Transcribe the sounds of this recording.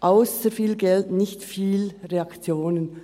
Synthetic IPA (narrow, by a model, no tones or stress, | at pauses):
ʔaʊsəfiːlɡɛltnɪçtfiːlʁeɑkt͡sjoːnən